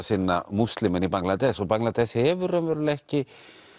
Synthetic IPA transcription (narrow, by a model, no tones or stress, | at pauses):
sɪnːa̰must̪lɪmɪnipaŋlat̪ɛsɔɣpaŋlat̪ɛshɛvʏɾœmvɛːɾʏlɛhcɪ